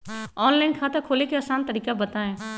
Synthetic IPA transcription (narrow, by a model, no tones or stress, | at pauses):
ɔːnlaːɪnkʰaːt̪ɐkʰoːlekeɐsaːnt̪əɾiːkabət̪aẽː